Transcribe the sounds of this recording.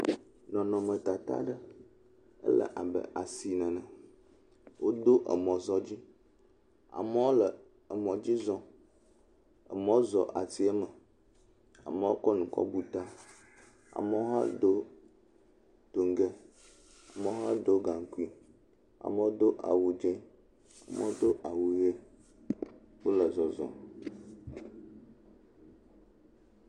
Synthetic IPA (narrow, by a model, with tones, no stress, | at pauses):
nɔ̃˨nɔ̃˨mə̃˨t̪a˨t̪a̰˦ɖə˦ | ə̰˦lə̰˨ʔa˨bə̰˨ʔa˨si˨nə̃˨nə̃˨ | wʔo˦d̪o˦ʔə̰˨mɔ̃˨zɔ˦d͡ʑi˦ | a̰˨mɛ̃˦wo˦lə˨ | ə˨mɔ̃˨d͡ʑi˦zɔ̃˦ | ə̰˨mə̃˦wo˦zɔ˨ʔa˨ti˦ə˦mə˨ | a̰˨mə˦wo˦kɔ˦nũ˨kɔ̰˦bu˨t̪a˦ | a̰˨mə˦o˦ɦa̰˦ɖ̪o˦ | d̪̥o˨ŋ˦ɡe˦ | a˨mə˦o˦ɦa˦ɖo˦ɡa˨ŋ˨ku˦i˦ | a̰˨mə˦wo˦d̪o˦ʔa̰˨wu˨d͡ʒẽ˦ | a˨mə̰˦wo˦d̪o˦ʔa˨wu˨je˦ | wo˦lə˨zɔ˨zɔ̰̃˨